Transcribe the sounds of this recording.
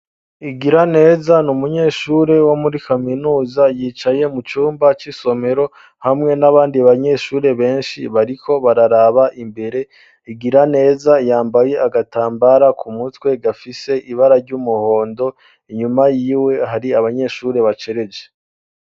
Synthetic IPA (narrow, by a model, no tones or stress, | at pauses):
iɡiɾane̞ːzanumuɲe̞ːʃuːɾe̞wo̞muɾikaminuːzajiːt͡ʃaje̞mut͡ʃuːmbat͡ʃiso̞me̞ɾo̞ | hamŋe̞naβaːndiaβaɲe̞ʃuːɾe̞βe̞ːnʃḭβaɾikʰo̞βaɾaɾaβaʔimbe̞ɾe̞ | iɡiɾane̞ːzajaːmbaje̞ʔaɡataːmbaɾakʰumutwe̞ɡafise̞ʔiβaɾaɾɟumuho̞ːndo̞ | iɲumajiːwe̞ɦaɾiaβaɲe̞ːʃuːɾe̞βat͡ʃe̞ɾe̞d͡ʒe